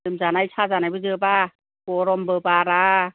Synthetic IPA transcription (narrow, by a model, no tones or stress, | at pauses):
lɯmzaːnajsʰaːzaːnabɯzɯbaː | koɾɔmbɯːpaːɾa